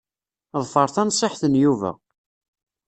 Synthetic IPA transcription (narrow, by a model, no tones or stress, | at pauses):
ðˤfəɾˤθænsˤːɪħθənjuvæ̰